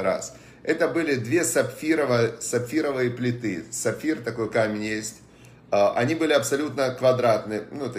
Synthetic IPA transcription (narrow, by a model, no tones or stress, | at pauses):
ɾa̰s | ɛt̪əbɨlʲɪd̪vʲe̞sɐpʲfʲiɾəvəsɐpʲfʲiɾəvɨjəplʲɪt̪ɨsɐpʲfʲirt̪ɐko̞jkamʲɪnʲjesʲtʲ | ʔɐ̰nʲibɨlʲɪɐpsɐlʲut̪nəkvɐd̪ɾat̪nɨnuɛt̪